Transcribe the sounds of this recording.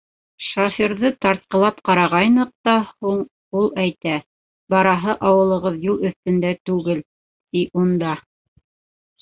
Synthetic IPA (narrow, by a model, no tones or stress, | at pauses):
ʃofiɾðɤt̪ɑɾt̪̚qɤ̆lˠɑpqɑɾɑʁɑjnɤq̚t̪ɑhuɴ | ulˠæjt̪æ | bɑɾɑɦɤʔɑwɤ̆lˠɤ̆ʁɤðjulˠɵ̆θt̪ɵ̆nd̪æt̪ʉɡɘl | t̪iʔund̪ɑ